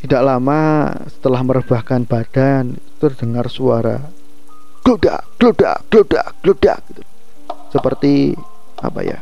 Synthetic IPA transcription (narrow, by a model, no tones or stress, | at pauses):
t̪idaʔlamasə̥t̪əlahməɾəb̥ahkanb̥ad̥anit̪u̥t̪ərd̥əŋarsuaɾa̰ | ɡ̥luda̰ | ɡ̥luda̰ɡ̥lud̥a̰ɡ̥lud̥a̰ɡ̥it̪u̥ | səpərt̪i | a̰pa̰ja̰